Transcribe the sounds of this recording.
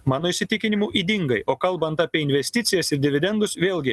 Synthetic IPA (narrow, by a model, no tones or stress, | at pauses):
mɑːnoːiʃʲsʲɪt̪ʲɪkʲɪnʲɪmuːʔiːd̪ʲɪŋɡɐɪʔoːkɐlˠbɐnt̪ɑːpʲiɛɪnʲʋʲɛsʲt̪ʲɪt̪sʲɪjɛsɪɾd̪ʲɪʋʲɪd̪ʲɛnd̪ʊsʋʲeːlʲˠɡʲɪ